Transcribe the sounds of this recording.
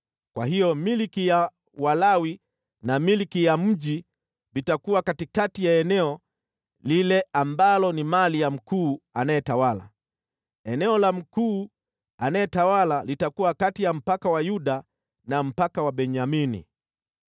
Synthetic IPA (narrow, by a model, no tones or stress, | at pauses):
kwa̰ɦijɔmilikija | walawi | namilikijam̩ʄi | vitakuwakatikatijaɛnɛɔ | lilɛʔambalɔnimalijam̩kuːanajɛtawala̰ | ɛnɛɔlam̩kuː | anajɛtawalalitakuwakatijam̩pakawajuɗa | nam̩pakawaɓɛɲaminḭ